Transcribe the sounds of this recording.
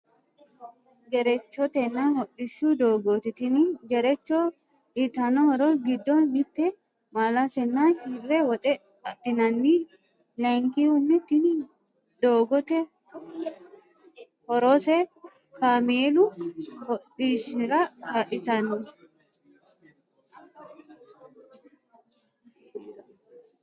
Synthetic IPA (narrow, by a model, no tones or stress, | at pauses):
ɡɛɾɛt͡ʃːɔt̪ɛnːahɔɗɪʃːud̪o̞ːɡoːt̪ɪt̪ɪnɡɛɾɛt͡ʃːɔ | ᶑɪt̪ɐnɔhɔɾɔɡɪd̪ːɔmɪt̪ːɛ | maːlɐsɛnːanhɪrːɛwɔt̪ʼɛ | ɐt̪ːɪnɐnːi | lɐŋkihʊmːɪt̪ːɪn | d̪̥oːɡɔt̪ɛ | hɔɾoːsɛ | kʰameːlʊhɔtiʃɪɾɐkɐᶑɪt̪ɐnɔ